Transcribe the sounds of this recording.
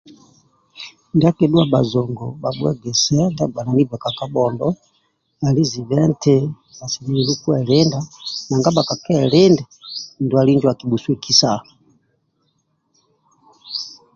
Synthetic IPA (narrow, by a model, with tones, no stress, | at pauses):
nda˦kɛ˨ɗu˦a˨ɓa˨zɔ˨ŋɡɔ˨ba˨bwɛ̰˦ɡɛ˨sɛ˦nda˦ɡwa˨na˨ni˦ba˨ka˨ka˦ɓɔ˨ndɔ˦ | a˨li˦zi˨βɛ˦ntɛ˦ | a˨si˨ni˨i˨lu˦ku˦ɛ˨lɛ˦nda˦na˨ŋɡa˦ɓa˨ka˨kɛ˦˨lɛ˦ndɛ˨ndu˨a˨li˦ɲd͡ʒwa˨ki˨ɓu˨su˦ɛ˦˨ki˦sa˨